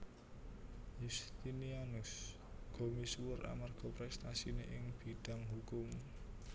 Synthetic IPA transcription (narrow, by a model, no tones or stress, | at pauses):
just̪inianʊs | ɡ̥o̤miswʊra̰marɡ̥ɔ̤pɾɛst̪asineʔɪŋb̥i̤ɖ̥a̤ŋɦukʊm